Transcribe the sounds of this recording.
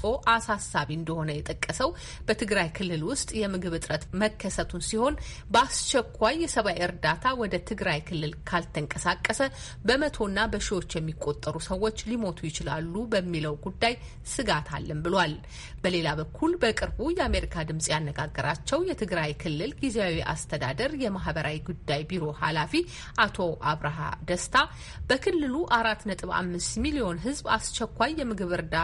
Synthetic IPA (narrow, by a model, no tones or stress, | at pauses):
o̞ʔasasːaβiɨnd̪əho̞nəjɛt̪ʼəkʼːəsəw | b̥ət̪ʰɨɡɾajkʰɨlːɨlwʊst̪ʼjɛmɨɡɨβɨt̪ʼɾət̪məkʰːəsət̪ʰunsiho̞n | bəast͡ʃɛkʰʷːajːɛsəβajɨɾd̪at̪ʰawɔd̪ət̪ʰɨɡɾajkʰɨlːɨlkʰalt̪ʰəŋkʼəsakʼːəsə | bəmət̪ʰo̞nːabəʃiwo̞t͡ʃːjɛmːikʼːo̞t̪ʼːəɾusəwːo̞t͡ʃːlimo̞t̪ʰujɪt͡ʃɪlalːubəmːiləwɡud̪ːaj | sɨɡat̪ʰa̰lːɨmbɨlwal | bəle̞laβəkʰːulbəkʼɨɾbujɛame̞ɾikʰad̪ɨmsʼjanːəɡaɡːəɾat͡ʃːɛwjɛt̪ʰɨɡɾajkʰɨlːɨlɡizeawiʔa̰st̪ʰəd̪a̰d̪əɾjɛmaɦbəɾawiɡud̪ːajbiɾo̞halafi | ʔat̪ʰo̞ʔaβɾaɦa̰d̪əst̪ʰa | b̥əkʰɨlːɨluʔaɾat̪nət̪ʼɨβa̰mːɨst̪milio̞nɦɨzba̰st͡ʃːɛkʷːajːɛmɨɡɨβɨɾd̪a